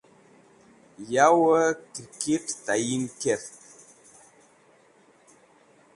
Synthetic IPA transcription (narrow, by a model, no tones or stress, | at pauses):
jawəkiɾkittajinkɛt